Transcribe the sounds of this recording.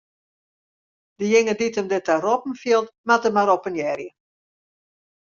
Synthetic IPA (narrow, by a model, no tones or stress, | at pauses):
dəjɪŋəditəmdɪtarɔpn̩fjiəlˠtmatəmaɾɔpənjɛɾjə